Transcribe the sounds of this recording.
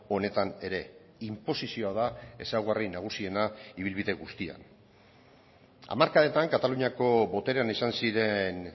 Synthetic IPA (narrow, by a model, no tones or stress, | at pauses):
o̞ne̞t̪ane̞ɾe̞ | impo̞sisio̞aðae̞sawɣarinaɣ̞usie̞naiβilβiðe̞ɣust̪ia̰n | a̰maɾkaðet̪aŋkat̪aluɲako̞βo̞t̪e̞ɾe̞anisansiɾe̞n